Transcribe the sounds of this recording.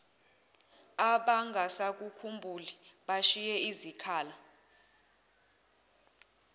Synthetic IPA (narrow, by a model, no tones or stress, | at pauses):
aɓaŋɡʱasak̬ʼukʰumbʱuliɓaʃijɛizikʰaːla